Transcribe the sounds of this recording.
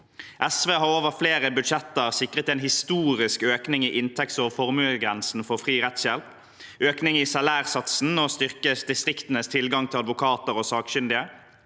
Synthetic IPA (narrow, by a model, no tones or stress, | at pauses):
ʔɛsʋeːhɑʁoːʋəʁfleːʁəbʉd̪ʃɛt̪əʁsɪkʁət̪ɛːnhɪst̪uːʁɪskøːknɪŋiːʔɪnt̪ʰɛkt̪soːfɔʁmʉɡʁɛnsn̩fɔʁfʁiːʁɛt̪sjɛlp | ʔøːknɪŋiːsɑlæːʁsɑt̪sn̩oːst̪ʏʁkəsd̪ɪst̪ʁɪkt̪ənəst̪ʰɪlɡɑŋt̪ʰɪlɑd̪ʋʊkʰɑːt̪əʁoːsɑːkʃʏnd̪ɪə